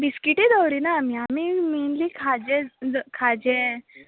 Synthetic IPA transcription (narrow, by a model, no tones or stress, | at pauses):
biskiʈid̪əwɾiːnaːmiamiːmenliːkʰad͡ʑekʰad͡ʑe